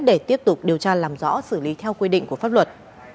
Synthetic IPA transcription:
ɗe˧˩t̪i˦˥əp̚t̪ʊ˨˩k͡p̚ɗi˨˩əwt͡ɕaː˧laː˨˩mzɔ̰˧˥sɨ˧˩li˨˦t̪ʰɛ˧wkwi˧ɗḭ̈˧˨ŋ̟ku˧˩əfaː˦˥p̚wə˨˩t̚

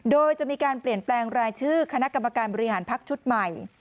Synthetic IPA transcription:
doː˧jt͡ɕa˨˩ʔmiː˧kaː˧npli˨˩ənplɛː˧ŋɾaː˧jt͡ɕʰɯː˥˩kʰa˧na˦˥ʔka˧mːa˧kaː˧nbɔː˧ɾi˦ɦaː˩˦npʰa˦˥k̚t͡ɕʰu˦˥t̪̚ma˨˩j

